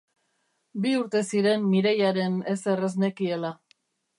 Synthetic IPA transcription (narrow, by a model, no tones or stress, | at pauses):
biuɾt̪e̞siɾe̞mːiɾejaɾe̞ne̞se̞re̞zne̞kie̞la